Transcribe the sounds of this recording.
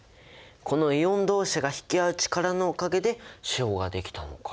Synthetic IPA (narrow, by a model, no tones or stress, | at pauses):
kʰo̞no̞iõ̞nd̪o̞ːɕaɡaçi̥kʲiaɯ̟t͡ɕi̥kaɾano̞ːkaɡe̞d̪e̞ɕio̞ːɡad̪e̞kʲi̥t̪ano̞̰kḁ